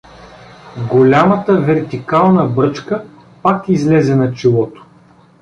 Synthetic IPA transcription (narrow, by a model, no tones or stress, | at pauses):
ɡolʲamət̪əvɛɾt̪ikalˠnəbɾɤt͡ʃkə | pakizlɛzɛnɐt͡ʃilˠɔt̪o̥